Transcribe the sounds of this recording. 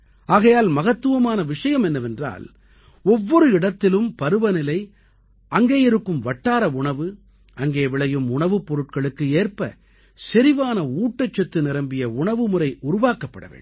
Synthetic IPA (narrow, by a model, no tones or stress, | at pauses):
aːɣɐjaːlmɐɣɐt̪ːɯʋɐmaːnɐʋɪʂɐjɐmɛnːɐʋɛndra̰ːl | ɔʋːɔɾɯɪɽɐt̪ːɪlɯmpɐɾɯʋɐnɪlɐɪ | ɐŋɡeːjɪɾɯkːɯmʋɐʈːaːɾɐʊɳɐʋɯ | ɐŋɡeːʋɪɭɐjɯmʊɳɐʋɯpːɔɾɯʈ̚kɐɭɯkːɯeːrpɐ | sɛɾɪʋaːnɐuːʈːɐt͡ʃːɐt̪ːɯnɪɾɐmbɪjɐʊɳɐʋɯmʊrɐɪʔʊɾʊʋaːkɐpːɐɽɐ̰ʋḛːɳ